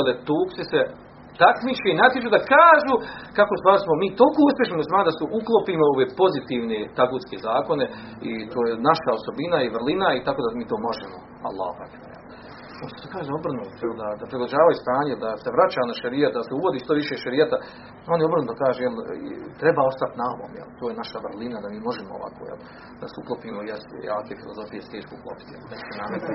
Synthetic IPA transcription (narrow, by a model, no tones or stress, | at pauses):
elet̪uːksise | t̪akmit͡ʃeinat̪jet͡ʃuːd̪akaːʒukakost̪ʋaːɾsmomiːt̪olkoːuspʲjeʃ̬nimuslʲmaːnd̪asuʔuklˠopiːmooʋepo̞zit̪iːʋnet̪aɡuːt̪skezaːko̞ne̞ | it̪oːjenaʃaoso̞binaiʋr̩linait̪akod̪amiːt̪o̞ːmo̞ʒemo | a̰lˠːa̰ːhopa̰ka̰jḛl | onssekaːʒed̪aobr̩nueld̪ad̪apɾid̪lad͡ʑaːʋajust̪aːɲeld̪aseʋɾat͡ɕaːnaʃaɾijat̪d̪aseuʋo̞d̪iːʃt̪o̞ʋiʃeːʃaɾijat̪a | o̞njeo̞bɾrnud̪akaːʒejel̰t̪ɾebaːo̞st̪at̪naoʋo̰ːmjḛlt̪ojenaʃaʋrlinad̪amiːmo̞ʒemoo̰ʋa̰kʰoːjḛl | d̪̥asuklˠopiːmojest̪ḛjḛak̪efilˠo̰zo̞fijest̪eːʃkouklˠo̰pi̥t̪jḛlˠneksenamet̪